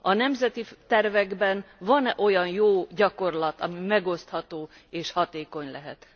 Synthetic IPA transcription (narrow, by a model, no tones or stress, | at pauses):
ɒnɛmzɛt̪it̪ɛrvɛɡbɛnvɒnʔo̞jɒnjoːɟɒko̞rlɒt̪ɒmimɛɡo̞st̪hɒt̪oː | eːʃhɒt̪eːko̞ɲlɛɦɛ̰t̪